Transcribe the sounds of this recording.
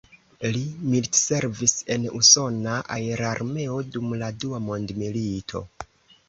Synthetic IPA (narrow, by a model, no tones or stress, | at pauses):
limiltse̞ɾvise̞nuso̞naʔa̰eɾaɾme̞o̞dumladuamo̞ndmilitʰo̞̰